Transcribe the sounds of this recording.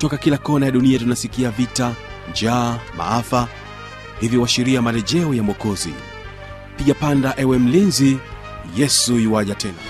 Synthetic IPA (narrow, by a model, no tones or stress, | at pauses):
tɔkakilakɔnajaɗuniatunasikiavita | d͡ʒaːma̰afa | hiviwaʃiɾiamalɛʄɛɔjamwɔkɔzḭ | piʄapandaʔɛwɛm̩linzi | jɛsujiwaʄatʰɛna